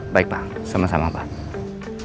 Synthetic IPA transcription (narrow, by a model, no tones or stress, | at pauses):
bajk̚ba | səmasamaba